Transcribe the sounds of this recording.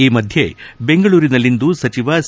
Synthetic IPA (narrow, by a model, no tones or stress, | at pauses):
iːmɐd̪ʱje̞̰be̞ŋɡɐɭuːɾinɐlːind̪usɐt͡ʃiʋɐs